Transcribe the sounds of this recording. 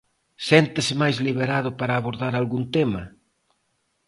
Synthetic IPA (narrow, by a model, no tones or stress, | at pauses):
sɛnt̪ɪsɪmajzliβ̞eɾað̞ʊpaɾaːβoɾðaɾalɣunt̪ema